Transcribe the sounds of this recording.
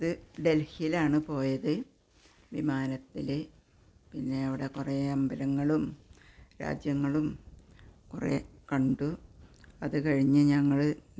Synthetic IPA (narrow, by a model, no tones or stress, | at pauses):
ɐðɨɖe̞lhiilaːɳɨpo̞ːjɐðɨ | ʋimaːnɐt̪ːile | pinːe̞ɐʋiɽe̞kureɐmbɐɾɐŋːɐɭumɾa̰ːd͡ʑjɐŋːɐɭum | kurḛkɐɳɖu | ɐðɨkɐɻiɲːɨɲɐŋːɐɭ